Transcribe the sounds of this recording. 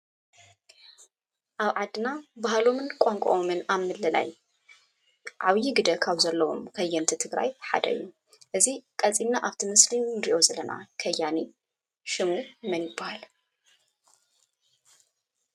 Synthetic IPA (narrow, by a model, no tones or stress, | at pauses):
ʔaβʕad̪ɨnabaɦalo̞mɨnkʷʼoŋkʼo̰ʔomɨnaβmɨlɐla̰j | ʕaβjiɡɨd̪ɐkʰaβzɐlːɐwo̞̰mkʰɐjːɐnt̪ʰit̪ʰɨɡɾa̰jħa̰d̪ɐ̰ʔɨ̰jːu | ʔɨzikʼɐt͡sʼimnːaʔaβt̪ʰimɨslimd̪iʔo̞zɐlɐnʔa̰kʰɐjːani | ʃɨmɨɾmɐnjɪbːahal